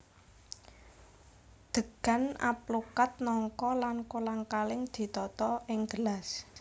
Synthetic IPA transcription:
d̪̥ə̤ɡ̥a̤na̰plukat̪̚nɔŋkɔlankolaŋkalɪŋd̪̥i̤t̪ɔt̪ɔɪŋɡ̥əlas

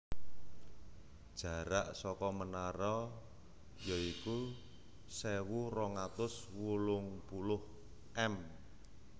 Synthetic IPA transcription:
d̥ʒ̥a̤ɾaʔsɔkɔmənaɾɔ | jɔiku | sewurɔŋat̪ʊswulʊŋpulʊh | ʔɛm

